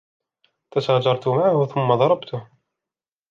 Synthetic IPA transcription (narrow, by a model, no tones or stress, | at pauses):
t̪asaːd͡ʒɑɾˤt̪ʊmaʕhʊθʊmːɑðˤɑɾˤɑbt̪ʊh